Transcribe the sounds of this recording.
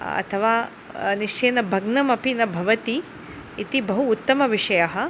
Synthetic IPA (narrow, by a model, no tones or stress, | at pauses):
ɐ̰t̪ʰɐʋaː | niʂt͡ʃeːnɐbʱɐɡnɐmɐpinɐbʱɐʋɐt̪iː | t̪ibɐɦuːt̪ːɐmɐʋiʂɐjɐɦɐ̆